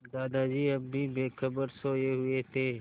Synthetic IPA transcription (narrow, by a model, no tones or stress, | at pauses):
d̪aːd̪ad͡ʒiːɐbːibeːxəbəɾsoːjeɦʊet̪ʰeː